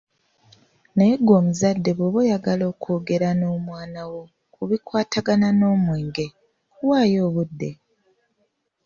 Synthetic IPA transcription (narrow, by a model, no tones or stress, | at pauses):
najeɡwo̞ːmuzadːe̞βoβojaɡalo̞ːkʰo̞ːɡe̞ɾano̞ːmwaːnawo̞ | kuβikwaːtʰaɡanano̞ːmwe̞ːŋɡe̞ | waːjo̞ːβudːe̞